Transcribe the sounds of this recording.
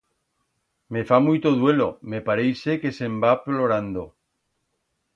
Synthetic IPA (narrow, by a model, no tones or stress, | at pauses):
me̞famujt̪oðwe̞lome̞paɾejsekesembaploɾand̪o